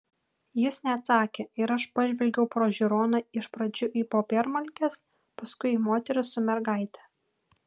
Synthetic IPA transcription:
jɪsnʲɛːt̪sɑːkʲeːɪɾɐʃpɐʒʲʋʲɛlʲɡʲɛʊpɾoːʒʲɪɾoːnɐɪʃpɾɐd͡ʒʲʊʔiːpoːpʲɛɾmɐlʲkʲɛs | pɐskʊɪimoːt̪ʲɛɾʲɪsːʊmʲɛɾɡɑˑɪt̪ʲɛ

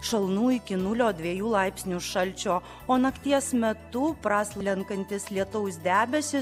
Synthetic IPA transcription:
ʃɐlˠnuːɪkʲɪnʊlʲoːd̪ʲʋʲiɛjuːlˠɑɪpʲsʲnʲuʃɐlʲt͡ʃʲoː | oːnɐkt̪ʲiɛsmʲɛt̪ʊpɾɑːsʲlʲɛŋkɐnʲt̪ʲɪslʲiɛt̪ʊʊsd̪ʲæːbʲɛsʲɪ

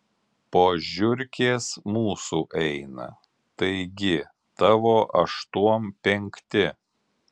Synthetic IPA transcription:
poːʒʲʊɾʲkʲeːsmuːsuːʔɛɪnɐ̰ | t̪ɐɪɡʲɪ | t̪ɐʋoːʔɐʃt̪uɔmpʲɛŋʲkt̪ʲɪ

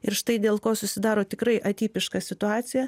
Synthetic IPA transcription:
ɪɾʃt̪ɐɪd̪ʲeːlˠkoːsʊsʲɪd̪ɑːɾoːt̪ʲɪkɾɐɪʔɐt̪ʲiːpʲɪʃkɑsʲɪt̪ʊɑːt͡s̪ʲɪjɛ

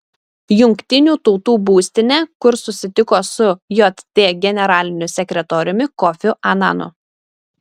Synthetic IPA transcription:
jʊŋʲkt̪ʲɪnʲuːt̪ɔʊt̪uːbuːsʲt̪ʲɪnʲɛkʊɾsʊsʲɪt̪ʲɪkoːsʊjɔt̪t̪ʲeːɡʲɛnʲɛɾɑːlʲɪnʲʊsʲɛkʲɾʲɛt̪ɔːɾʲʊmʲɪkɔfʲʊʔɐnɑ̰nʊ̰

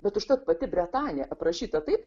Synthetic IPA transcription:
bʲɛt̪ʊʃt̪ɐt̪pɐt̪ʲɪbʲɾʲɛt̪ɑːnʲɪjɛʔɐpɾɐʃʲiːt̪ɐt̪ɐɪp

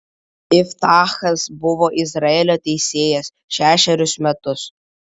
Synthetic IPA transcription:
ɪft̪ɑːxɐsbʊʋoːʔɪzɾɐeːlʲoːt̪ʲɛɪsʲeːjɛs | ʃʲæːʃʲɛɾʲʊsmʲɛt̪ʊs

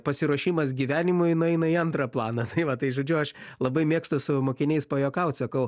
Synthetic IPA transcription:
pɐsʲɪɾuɔʃʲiːmɐsɡʲiʋʲæːnʲɪmʊɪnʊɛɪnɐiɐnt̪ɾɐplˠɑːnɐt̪ɐɪʋɐt̪ɐɪʒoːd͡ʒʲʊɐʃlˠɐbɐɪmʲeːkst̪ʊsʊmoːkʲɪnʲɛɪspɐjoːkɐʊt̪ʲsɐkɐʊ

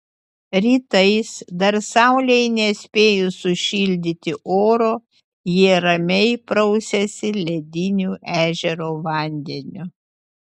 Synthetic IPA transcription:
ɾʲiːt̪ɐɪsd̪ɐɾsɑʊlʲɛɪnʲɛsʲpʲeːjʊsʊʃʲɪːlʲd̪ʲɪt̪ʲɪʔoːɾoː | jiɛɾɐmʲɛɪpɾɔʊsʲɛsʲɪlʲɛd̪ʲɪnʲuːʔæːʒʲɛɾoːʋɐˑnʲd̪ʲɛnʲʊ

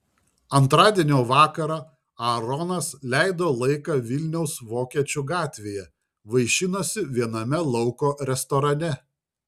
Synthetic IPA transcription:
ɐnt̪ɾɑːd̪ʲiɛnʲoːʋɑːkɐɾɑː | ɐɾɔnɐslʲæˑɪd̪oːlˠɐɪkɑʋʲɪlʲnʲɛʊsʋoːkʲiɛt͡ʃʲʊɡɑːt̪ʲʋʲeːjɛ | ʋɐɪʃʲɪnosʲɪʋʲiɛnɐmʲɛlˠɒʊkoːɾʲɛst̪ɔɾɐnʲɛ

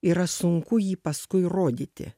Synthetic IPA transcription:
iːɾɐsʊŋkʊjiːpɐskʊɪroːd̪ʲiːt̪ʲɪ̰

